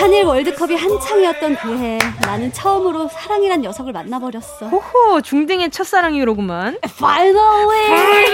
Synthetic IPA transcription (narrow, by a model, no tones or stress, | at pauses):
haɲiɾwʌɭdɯkʰʌbihant͡ɕʰaŋiʌt̚t͈ʌnkɯɦe̞nanɯnt͡ɕʰʌɯmɯɾosʰaɾaŋiɾanjʌsʰʌɡɯɭmanːabʌɾjʌs͈ʌohot͡ɕuŋdɯŋet͡ɕʰʌs͈aɾaŋiɾoɡumanfajnalwe